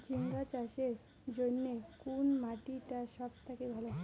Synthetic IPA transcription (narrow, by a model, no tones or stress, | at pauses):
d͡ʑiŋɡat͡ɕaɕeɾ | d͡ʑonːekunmaʈiʈaʃɔb̚t̪akibʱalɔ